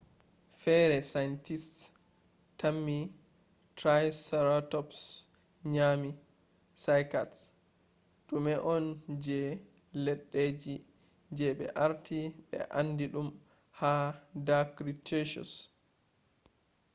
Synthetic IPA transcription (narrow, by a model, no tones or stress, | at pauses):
fɛɾɛsajntist | tamːi | tɾajsɛɾatɔps | ɲami | sajkats | ɗumɛʔɔnd͡ʒɛ | lɛɗːed͡ʒi | d͡ʒɛɓɛ̰ʔaɾtʰiɓɛ̰ʔandiɗum | hadakɾiteʃɔ̰s